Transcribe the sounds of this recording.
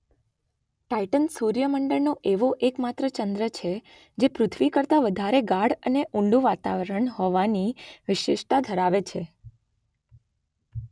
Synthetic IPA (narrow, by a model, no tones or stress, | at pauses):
ʈaiʈənsuɾjəməɳɖəɭnoʔeʋoʔekmat̪ɾət͡ʃənd̪ɾət͡ʃʰe | d͡ʒepɾʊt̪ʰʋikəɾt̪aʋəd̪ʱaɾeɡaɽəneʔũɳɖũʋat̪a̰ʋəɾəɳɦɔʋaniʋɪʃɪʃʈ̪ad̪ʱəɾaʋet͡ʃʰe